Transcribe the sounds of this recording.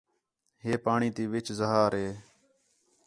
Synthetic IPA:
ɦeːpaːɳĩːt̪iːʋɪt͡ʃzəɦaːɾɦeː

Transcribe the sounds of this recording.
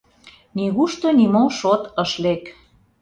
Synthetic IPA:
niɣuʃt̪onimoʃot̪əʃlek

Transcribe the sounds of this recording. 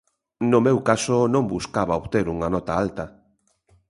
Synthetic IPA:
nʊmewkasonõŋbuskaβaoβt̪eɾuŋanɔt̪aalt̪ɐ

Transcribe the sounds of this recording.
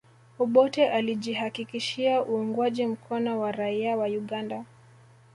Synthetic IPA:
uɓɔtɛʔaliʄihakikiʃiaʔuuŋɡwaʄim̩kʰɔnɔwaɾaiawauɠanda

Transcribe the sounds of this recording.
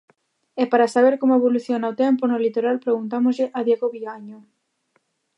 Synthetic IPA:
ɛpaɾasaβ̞eɾkomoeβ̞oluθjonaot̪ɛmponolit̪oɾalpɾeɣunt̪amozʎɪʔɐðjeɣoβiɣaɲo

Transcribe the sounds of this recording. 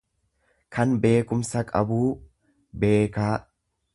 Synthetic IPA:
kʰɐnbe̞ːkʊmsɐkʼɐ̰buː | be̞ːkaː

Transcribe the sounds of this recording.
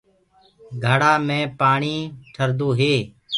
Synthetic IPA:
ɡʱəɽaːmẽːpaːɳiːʈʰəɾd̪oːɦeː

